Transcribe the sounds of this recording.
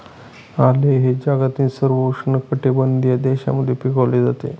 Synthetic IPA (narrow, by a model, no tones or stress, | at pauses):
aleɦed͡ʑaɡat̪ĩːnsəɾʋoʂɳəkəʈebənd̪ijad̪eɕa̰məd̪ʱːjepikəʋled͡zat̪ḛ